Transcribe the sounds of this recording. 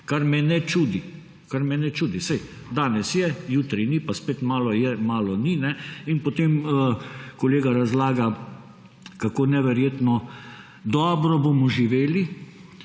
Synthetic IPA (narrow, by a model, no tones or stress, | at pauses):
kaɾmɛnɛt͡ʃuːd̪i | kaɾmɛnɛt͡ʃuːd̪isɛj | d̪aːnɛsjɛjuːt̪ɾinipaspeːt̪maːlɔjɛmaːlɔninɛinpot̪eməkoleːɡaɾazlaːɡa | kakoːnɛʋɛɾjeːt̪nɔ | d̪ɔːbɾɔbomɔʒiʋeːli